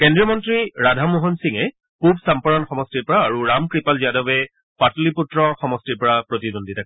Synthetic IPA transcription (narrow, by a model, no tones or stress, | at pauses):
kɛndɹijɔmɔntɹiɹadʱamuɦɔnsiŋɛ | pubsampɔɹɔnxɔmɔstiɹpɔɹaːɹuɹamkɹipalziadɔbɛ | patliputɹɔxɔmɔstiɹpɔɹapɹotidondʱitʰak